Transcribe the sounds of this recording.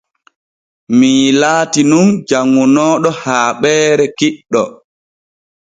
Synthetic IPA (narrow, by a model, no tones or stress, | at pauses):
miːlaːtinund͡ʒaŋːunɔːɗɔhaːɓɛːɾɛkiɗːɔ̰